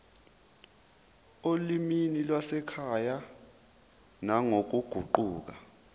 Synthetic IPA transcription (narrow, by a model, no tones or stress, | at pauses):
oliminilwasɛkʰaja | naŋok̬uɡ̥ʱuǃuːk̬a